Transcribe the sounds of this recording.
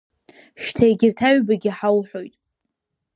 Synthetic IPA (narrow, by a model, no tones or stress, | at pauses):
ʃtʰajɡʲɪrtʰaɥbaɡʲɪħawħo̞jtʼ